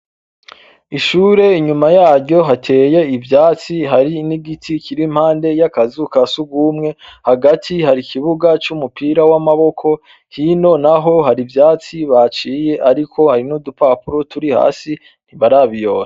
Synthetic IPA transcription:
iʃuːɾe̞iɲumajaːɾɟo̞ɦatʰe̞ːje̞ivjaːt͡siɦaɾiniɡitʰiciɾim̥haːnde̞jakazukasuɡumŋe̞haɡatʰihaɾikiβuɡat͡ʃumupiːɾawamaβo̞kʰo̞ | hino̞naɦo̞ɦaɾivjaːt͡siβat͡ʃiːje̞ʔaɾikʰo̞haɾinudupapuɾotuɾiha̰ːsi | n̥iβaɾaːβijo̞ːɾa

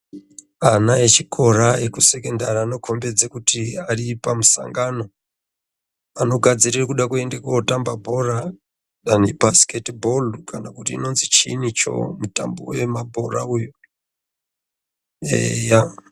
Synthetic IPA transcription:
anaet͡ʃikʰo̞ɾaekuse̞ke̞ndariano̞kʰo̞mbe̞d͡zekutiaripamusa̰ŋɡano̞ | ano̞ɡʱad͡zirirekuɗakue̞ndekoːtambabʱo̞ra | ɗanibʱasketibʱolkanakutiːno̞nzit͡ʃḭnit͡ʃo̰muta̰mbo̰we̞mabʱora̰ujo | ḛja

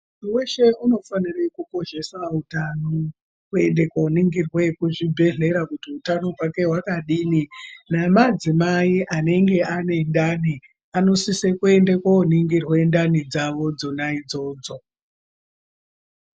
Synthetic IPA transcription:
munuwe̞ʃe̞uno̞fanire̞kuko̞ʃe̞sautano | kue̞nde̞kauniŋɡirwekuʐibʱe̞ɮe̞ɾakutiutano̞ɦwake̞ɦwakaɗiːninamad͡zimaiʔane̞ŋɡe̞ane̞ndani | ano̞sisekue̞ndekwouniŋɡirwendanid͡zaʋo̞d͡zo̞naid͡zo̞ːd͡zo̞

